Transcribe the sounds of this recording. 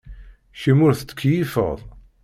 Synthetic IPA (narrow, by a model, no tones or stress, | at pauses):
ʃəmʊɾθət͡sːə̥kʰːjifə̰ʁðˤ